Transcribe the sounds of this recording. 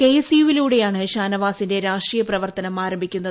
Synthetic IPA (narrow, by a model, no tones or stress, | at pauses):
kejesiʋiluːɽe̞jaːɳɨɕaːnɐʋaːsinde̞ɾaːʂʈrijɐprɐʋɐrt̪ɐnɐmaːɾɐmbʱikʲːunːɐðɨ